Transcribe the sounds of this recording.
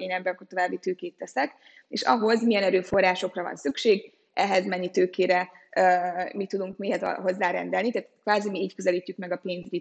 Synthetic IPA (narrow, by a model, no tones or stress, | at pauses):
eːnɛbːɛɒkort̪o̞vaːbːit̪øːkeːt̪ːɛsɛk | ḛːʃɒ̰ɦo̞zmijɛnɛɾøːfo̞rːaːʃo̞krɒvɒ̰nsykʃeːɡ | ʔɛɦɛzmɛnːit̪øːkʰeːɾɛ | mit̪ːud̪uŋkmiɦɛt̪ɦo̞zːaːɾɛ̰nd̪ɛlnit̪aːt̪kʋaːzimiiːckøzɛliːcːykmɛɡɒpeːnzyɟi